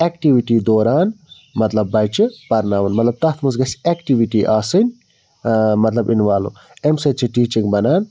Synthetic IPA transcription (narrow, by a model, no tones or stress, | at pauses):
ekʈiʋiʈiːd̪oːɾaːn | mɐt̪lɐbːɐjt͡ʃipɐɾnaːʋɐnmɐt̪lɐb̚t̪ɐt̪ʰmɐs̬ɡɐseːkʈiʋiʈiːʔaːsɨnʲ | mɐt̪lɐbinʋaːlṵ | emsɐt͡ʃiʈiːt͡ʃiŋɡbɐnaːn